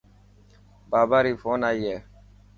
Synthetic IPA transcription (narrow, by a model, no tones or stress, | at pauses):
baːbaːɾiːfoːnajje